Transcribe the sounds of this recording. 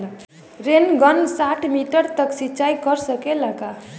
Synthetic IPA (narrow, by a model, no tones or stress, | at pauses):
ɾenɡʌnsaʈʰmiʈəɾt̪əksit͡ʃajkəɾsəkelaka